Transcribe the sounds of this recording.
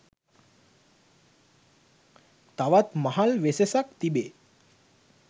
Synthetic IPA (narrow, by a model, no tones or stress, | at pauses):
t̪aʋat̪maɦalʋesesakt̪ibe